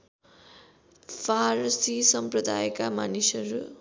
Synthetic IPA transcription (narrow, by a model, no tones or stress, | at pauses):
pʰaɾsisʌmprʌd̪ajkamanisʌɾu